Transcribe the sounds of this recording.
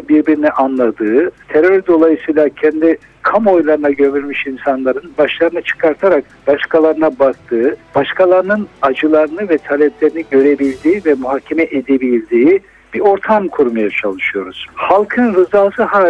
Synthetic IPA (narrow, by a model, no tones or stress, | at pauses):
biɾbiɾiniʔanlˠad̪ɯːt̪ʰeɾøɾd̪o̞lˠajɯsɯjlˠacʰɛnd̪i | kʰamo̞jlˠaɾɯnaɟø̞vyɾmiʃinsanlˠaɾɯnbaʃlˠaɾɯnat͡ʃʰɯ̥kʰaɾt̪ʰaɾak̚ | b̥aʃkʰalˠaɾɯnabak̚t̪ʰɯːb̥aʃkʰalˠaɾɯnɯnad͡ʒɯlˠaɾɯnɯvɛt̪ʰalʲɛplʲeɾiniɟø̞ɾe̞bilʲd̪iːvɛmuɦacʰːemɛʔed̪ebilʲd̪iː | b̥iɾo̞ɾt̪ʰamkʰuɾmajat͡ʃʰalˠɯʃɯjo̞ɾuz̥halˠkʰɯnɾɯzaːsɯhaː